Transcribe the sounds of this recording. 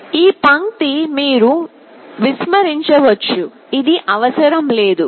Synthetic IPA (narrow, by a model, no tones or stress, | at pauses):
iːpɐŋt̪imiːɾu | ʋismɐɾiɲt͡ʃɐʋɐt͡ʃːu | id̪iʔɐʋɐsɐɾɐmleːd̪u